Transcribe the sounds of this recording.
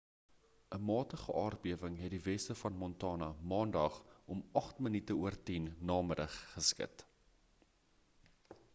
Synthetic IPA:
ʔəmɑːtəχəʔɑːrbiəvəŋɦɛt̚divɛstəfɐnmɔntɑːnɐmɑːndɐχʔɔmɐχtmənitəuərtinːɑːməɾəχːəskə̰t

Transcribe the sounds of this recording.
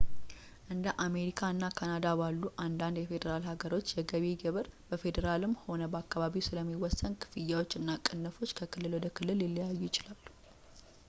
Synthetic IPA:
ʔɨnd̪əʔame̞ɾikʰaɨnːakʰanad̪abalːuʔand̪and̪jɛfe̞d̪əɾalhaɡəɾo̞t͡ʃːjɛɡəβeɡəβɨɾb̥əfe̞d̪əɾalɨmːho̞nəbəakːaβaβisɨləmːiwɔsːənkʰɨ̥fɨjːawot͡ʃːɨnːakʼɨnːəfo̞t͡ʃːkʰəkʰɨlːɨlwɔd̪əkʰɨlːɨlɪlːijajːujɪt͡ʃɪlalːu

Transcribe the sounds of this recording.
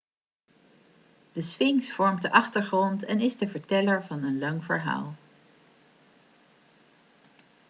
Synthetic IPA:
d̥əsʋɪŋsfɔɹmdəʔɑχtəɹχrɔntɛnɪzdəvəɹtɛləɹvɑnənlɑŋvəɹɦa̰ːlˠ

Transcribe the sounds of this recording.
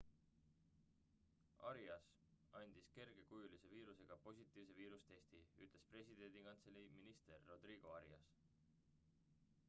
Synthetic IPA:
ɑ̰ɾiɑs | ɑnʲd̪̥iske̞rɡ̥e̞kujulise̞viːɾuse̞ɡ̥ɑpo̞sʲit̪ːˑiːvse̞viːɾust̪e̞st̪iyt̪ˑle̞spre̞sʲid̪̥e̞nʲd̪̥ikɑnt̪seliminist̪e̞rːo̞d̪̥riːɡ̥o̞ɑɾiɑs

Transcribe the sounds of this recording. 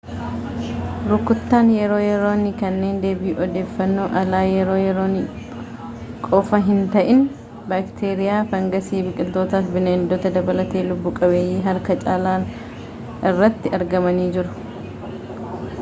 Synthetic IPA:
ɾʊkːʊt̪ːaːnjɛɾo̞ːjɛɾo̞ːnːɪkɐnːe̞ːnd̪e̞ːbɪʔɔd̪e̞ːfːɐnːo̞ːʔɐlaːjɛɾo̞ːjɛɾo̞ːnɪ | kʼɔːfɐɦɪnt̪ɐʔɪn | baːkt̪ʰeːɾɪjaːfɐŋɡɐsiːbɪkʼɪlt̪o̞ːt̪aːfbɪnɛɪnd̪ɔt̪ɐd̪ɐbɐlɐt̪e̞ːlʊbːʊkʼɐbe̞ːjiːɦɐɾkɐt͡ʃʼaːlaːn | ɪrːɐt̪ːɪɐɾɡɐmɐniːd͡ʒɪɾʊ̥

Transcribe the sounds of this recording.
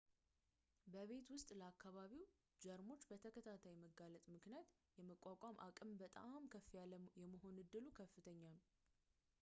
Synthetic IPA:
bəβe̞t̪wʊst̪ʼləakʰːaβaβiw | d͡ʒəɾmo̞t͡ʃːbət̪ʰəkʰət̪ʰat̪ʰajməɡalət̪ʼmɨknjat̪ | jɛməkʷʼːakʷʼamʔa̰kʼɨmbət̪ʼamkʰəfːiajɛməɦo̞nɨd̪ːɨlukʰəfːɨt̪ʰəɲːalu

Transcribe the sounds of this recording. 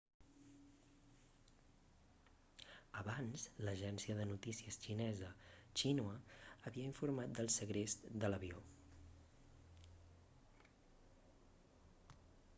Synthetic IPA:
əβanzləʒɛnsiəðənut̪isiəst͡ʃinɛzət͡ʃinuəːβiəiɱfuɾmat̪̚d̪əlˠsəɣɾezd̪ələβio

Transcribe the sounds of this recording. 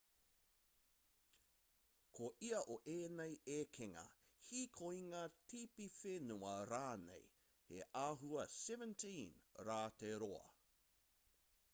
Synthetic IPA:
kʰoʔiɐʔoʔeːnejekʰeŋɐ̰ | hikʰoiŋɐtʰipifenuɐɾaːnḛj | hḛʔaːɦuɐsɛvə̃ntʰĩnɾaːteɾoɐ̰

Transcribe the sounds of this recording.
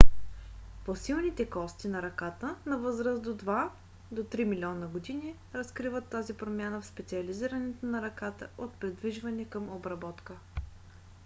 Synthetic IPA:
posilˠnit̪ɛkɔst̪inɐɾɐkat̪ənɐvɤzɾəzd̪od̪va | d̪ot̪ɾimilʲɔnəɡod̪ini | ɾɐskɾivət̪ːazipɾomʲjanəfspɛt̪siɐliziɾənɛt̪onɐɾɐkat̪ə̰ot̪̚pɾɛd̪viʒvɐnɛkəmobɾɐbɔt̪kə

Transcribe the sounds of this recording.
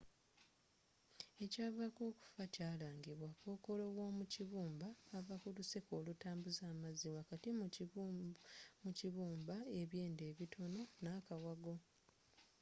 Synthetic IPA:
e̞caːvako̞ːku̥facaːlaːŋɡiβwakoːko̞lo̞wo̞ːmuciβuːmbaːvakuluse̞ko̞ːlutaːmbuzaːmaziwakatim | muciβuːmbaeβje̞ːnde̞ːβitʰo̞no̞nakawaɡo̞

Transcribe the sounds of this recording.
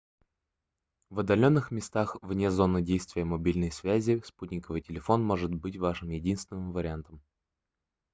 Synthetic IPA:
vɐd̪ːɐlʲo̞nːɨxmʲɪst̪axvnʲezo̞nːɨdʲejst̪vʲɪjəmɐbʲilʲnəjsvʲæzʲɪsputʲnʲɪkəvɨtʲɪlʲɪfo̞nmo̞ʐɨt̪̚bɨtʲvaʂɨmjɪdʲinst̪vʲɪnːɨmvəɾʲɪant̪əm

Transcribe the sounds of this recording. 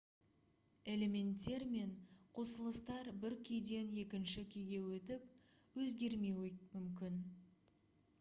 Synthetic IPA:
e̞le̞me̞nt̪ːe̞ɾme̞ɴqʰo̞səlˠəst̪ɑɾbɪɾkʲʰʏjd̪e̞ne̞kʲɪnʃɪkʲʰejɡʲe̞wɵt̪ɪp̚ | wɵzɡʲe̞ɾme̞wmʏmkʲɪn

